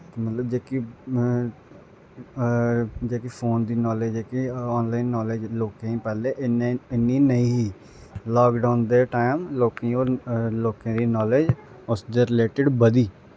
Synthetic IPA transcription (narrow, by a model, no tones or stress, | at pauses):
t̪mət̪ləbd͡ʒeːki | d͡ʒeːkipʰoːnd̪iːnɔːled͡ʒeːkiɔːnlaːɪnːɔːled͡ʒloːkẽĩpɛːleːʔɪnɪnːiːnəĩːɦiː | lɔːkɖaːʊnd̪eːʈaːɪmloːkẽːoːɾloːkẽːd̪iːnɔːled͡ʒ | ʊsd̪eɾɪleːʈɪɖbəd̪iː